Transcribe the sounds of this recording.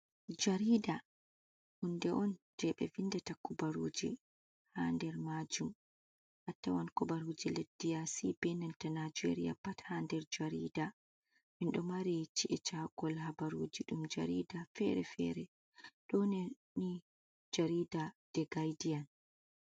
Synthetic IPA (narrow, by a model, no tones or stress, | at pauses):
d͡ʒaɾiːda | hundɛʔɔnd͡ʒɛɓɛ̰vindɛtakɔbaɾoːd͡ʒḭ | handɛɾmad͡ʒum | ʔatːawankɔbaɾod͡ʒiledːijasibɛnɛntanad͡ʒḛɾija̰pathandɛɾd͡ʒaɾiːda | minɗɔmaɾit͡ʃiʔɛt͡ʃaɡɔlhabaɾoːd͡ʒiɗumd͡ʒa̰ɾidafɛɾɛ̰fɛ̰ɾɛ | ɗɔnɛ | ni | d͡ʒaɾiːdad̥ɛɡajdijan